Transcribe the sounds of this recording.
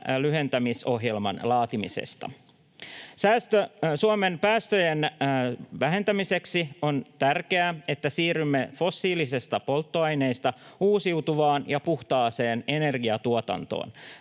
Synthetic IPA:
lyɦe̞nt̪æmiso̞ɦjelmɑ̰nlɑːt̪imḭsḛst̪ɑ̰ | sæːst̪øsuome̞npæːst̪øjen | ʋæɦe̞nt̪æmise̞ksio̞nt̪ærke̞æe̞t̪ːæsiːɾymːefo̞sːiːlisest̪ɑpo̞lt̪ːoɑjne̞jst̪ɑuːsiwt̪uʋɑːnjɑpuht̪ɑːse̞ːne̞ne̞rɡiɑt̪uot̪ɑ̰nt̪o̰ːn

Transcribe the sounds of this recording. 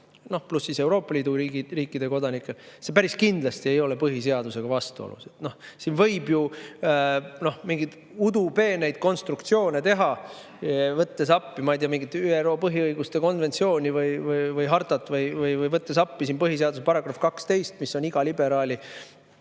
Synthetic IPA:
no̞hplusːise̞wɾo̞ːpːɑliːd̪uiɡriːkːˑid̪̥e̞ko̞d̪ɑnikːˑe̞lse̞pæɾiskind̪lɑst̪ie̞jo̞le̞pɤɦis̬e̞ɑd̪̥use̞ɡ̥ɑvɑst̪uo̰lṵse̞t̪no̞hsiːnvɤ̞jbju | no̞hmiŋɡid̪̥ | ud̪upe̞ːne̞jd̪̥̚ko̞nst̪ɾukt̪sio̞ːne̞t̪e̞ɦɑ | vɤt̪ːe̞s̬ɑpːimɑjd̪ijɑmiŋɡit̪ːyːero̞ːpɤɦiɯjɡ̥ust̪e̞ko̞nvent̪sio̞ːnʲivɯjvɯjvɯjɦɑrt̪ˑɑt̪ːˑvɯjvɯjvɯjvɤt̪ːesɑpːisiːnpɤɦis̬e̞ɑd̪usepɑɾɑɡ̥rɑfkɑkst̪e̞jst̪misːo̞niɡ̥ɑlibe̞ɾɑːlʲi

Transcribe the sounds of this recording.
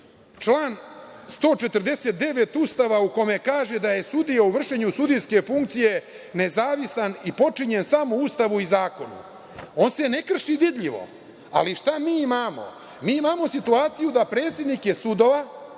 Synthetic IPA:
t͡ʂlaːnst̪o̞ːt͡ʃet̪r̩d̪e̞se̞t̪̚d̪e̞ʋet̪ust̪aʋauko̞mekaːʒe̞d̪aje̞sud̪ijauʋr̩ʂeɲusud̪ijske̞fuŋk̚t̪sije̞ | ne̞zaːʋisanipo̞t͡ʂiɲe̞nsamoust̪aʋuizaːko̞nṵ | o̞nse̞ne̞kr̩ʂidid̪ʎiʋo̞̰ | a̰liʃt̪amiːimaːmo̞̰ | miːimaːmo̞sit̪uaːt̪sijud̪apɾe̞ːt̪sed̪nikjesud̪oʋa

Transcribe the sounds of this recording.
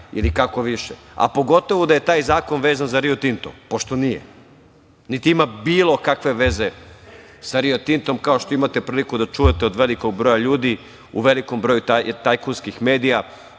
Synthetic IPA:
ḭlikakoʋiʃe | a̰po̞ɡo̞t̪o̞ʋud̪aje̞t̪aːjzaːko̞nʋeːzanzaɾiot̪int̪o̰mpo̞ʃt̪o̞nijḛ | nit̪iimabiːlˠo̞kakʋe̞ʋe̞ze̞ | saɾiot̪int̪o̞mkao̞ʃt̪oimat̪e̞pɾiːlikud̪at͡ʃuːjet̪eo̞d̪ʋe̞liko̞ɡ̚bɾo̞jaʎuːd̪i | ṵʋe̞liko̞mbɾo̞jut̪at̪ajkunskixme̞ːd̪ija

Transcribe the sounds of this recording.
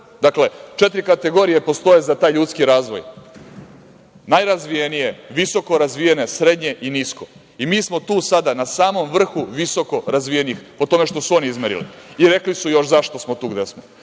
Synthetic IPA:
d̪akle̞t͡ʃet̪ɾikat̪e̞ɡo̞ɾijepo̞st̪o̞jezat̪aːjʎut̪skiɾaːzʋo̞j | najɾazʋijenije̞ʋiso̞ko̞ɾazʋijene̞sɾe̞d̪ɲe̞ʔinisko̞ | imiːsmo̞t̪uːsad̪anasaːmo̞mʋr̩xuʋiso̞ko̞ɾazʋijeniixpo̞t̪o̞me̞ʃt̪o̞suoniizmeɾḭlḭiɾe̞klisujo̞ʃzaʃt̪o̞smot̪uːɡd̪esmo

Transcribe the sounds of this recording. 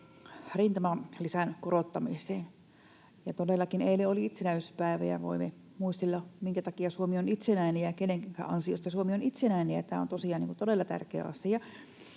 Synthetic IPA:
rint̪ɑmɑnlisænkorot̪ːɑmiseːn | jɑt̪odelːɑkineileoliit̪senæyspæˑeʋæ̰jæ̰ʋo̰ime | muist̪elːɑmiŋkæt̪ɑkiɑsuomionit̪senæinejækeneŋkæŋkæ̰ʔɑnsio̰st̪ɑsuomionit̪senæineæt̪æ̰ːo̰nt̪osiɑːˑniːŋkunt̪odelːɑt̪æ̰rkḛːɑsiɑ

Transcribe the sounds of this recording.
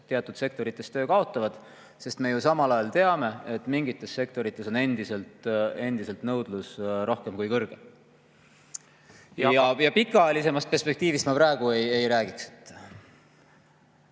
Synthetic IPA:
t̪ːeɑt̪ːˑud̪̥se̞k̚t̪o̞ɾit̪ːˑe̞st̪ø̞ːkɑo̞t̪ːˑɑvɑd̪̥ | se̞st̪me̞jusɑmɑlɑjɑlt̪e̞ɑme̞et̪ːˑmiŋɡit̪ːˑe̞sːe̞kt̪o̞ɾit̪ˑːeso̞ne̞nd̪̥ise̞lt̪e̞nd̪ise̞lt̪nɤwd̪̥lusɾo̞hke̞mkujkɤrɡ̥e̞ | jɑjɑpikːˑɑɑjɑlise̞mɑst̪pe̞rspe̞k̚t̪iːvist̪mɑpɾæe̞ɡ̥ue̞je̞jɾæːɡ̥ikse̥t̪ː

